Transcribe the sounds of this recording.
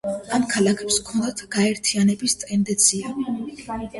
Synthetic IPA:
amkʰalˠakʰɛpskʰɔnd̪at̪ʰɡ̥aɛɾt̪ʰianɛbist̪ʼɛnd̪ɛnt̪sʰia

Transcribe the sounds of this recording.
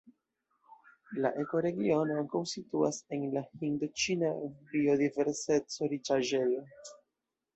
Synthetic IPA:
laʔe̞ko̞ɾe̞ɡio̞noaŋkawsituase̞nlahindut͡ʃinabio̞dive̞ɾse̞t͡so̞ɾit͡ʃaʒe̞lo

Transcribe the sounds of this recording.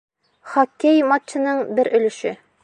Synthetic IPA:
χɒkːejmɑt̪t͡ɕːɘ̆nɤɴbɘɾɵ̆lɵ̆ʃɘ

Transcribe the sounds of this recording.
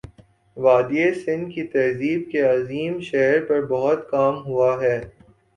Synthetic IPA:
ʋaːd̪iesɪ̃nd̪kit̪ɐɦziːb̚keɐziːmʃɛɦɾpɐɾbɐɦʊt̪kaːmɦuaɦɛː

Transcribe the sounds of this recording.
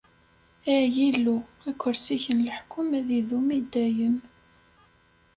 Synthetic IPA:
æjilːu | ækʷːəɾsiçənlħkʰːʊmæðiðumid̪ːæjən

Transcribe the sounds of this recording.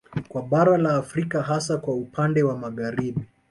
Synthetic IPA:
kwaɓaɾalaːfɾikaɦasakwaupʰandɛwamaɣaɾiɓi

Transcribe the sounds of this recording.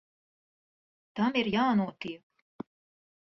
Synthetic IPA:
t̪amiɾjaːnuɔt̪iɛk

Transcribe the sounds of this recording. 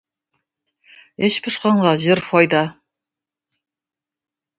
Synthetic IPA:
eʃpʰə̆ʃqɑɴʁɑʒɪɾfɑjd̪ɑ

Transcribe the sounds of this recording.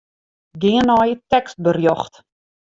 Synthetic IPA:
ɡiənɑːjətɛkst̚bərjɔχt

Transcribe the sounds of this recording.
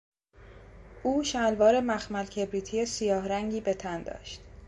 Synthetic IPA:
ʔuːʃælvɒːɾe̞mæxmælcʰe̞bɾiːt̪ʰijesijɒːhɾæŋɟiːbe̞t̪ʰænd̪ɒ̰ːʃt̪

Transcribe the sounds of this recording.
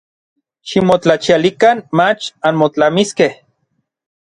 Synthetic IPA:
ʃimot͡ɬat͡ʃialikanmat͡ʃanmot͡ɬamiskeh

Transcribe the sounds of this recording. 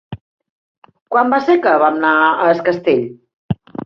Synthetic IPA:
kwambasekəβamnaəəskəst̪eʎ

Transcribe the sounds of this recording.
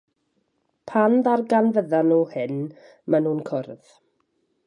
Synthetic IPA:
pʰanðarɡanvəðanuːhɪn | manuːnkʰʊrð̥

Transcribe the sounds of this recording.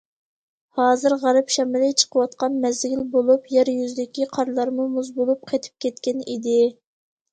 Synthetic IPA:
hɑːzɨɾʁæɾɨpʃɛmɪlɪt͡ʃʰə̥qʰəwɑt̪̚qɑnmɛzɡʲilbolˠupjɛɾjyzd̪ɪkʲiqʰɑɾlˠɑɾmumuzbolˠup̚qʰɑjt̪ʰɪ̥p̚kʲɛt̪̚kʲɛnid̪ɪ

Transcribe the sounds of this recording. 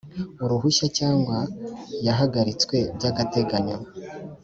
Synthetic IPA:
uɾuɦuʃacaːŋɡwajaɦaɡaɾit͡skwe̞bɟaɡate̞ɡaɲo

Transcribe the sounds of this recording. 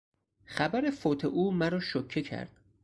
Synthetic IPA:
xæbæɾefoːt̪ʰeʔuːmæɾɒːʃokʰːecʰæ̰ɾd̪̥

